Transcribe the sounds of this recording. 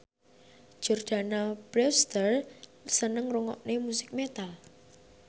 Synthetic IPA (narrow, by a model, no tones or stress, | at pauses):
ʒ̥o̤rd̪̥a̤nab̥ɾɛst̪ərsənəŋruŋɔ̰ʔnemusɪk̚met̪al